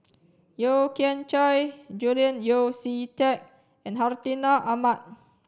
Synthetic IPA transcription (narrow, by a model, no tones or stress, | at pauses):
jokiɛ̃nt͡ʃɔjd͡ʒuliə̃njosit͡ʃɛk̚ | ɛ̃nɦaɹt̪inaʔamat̚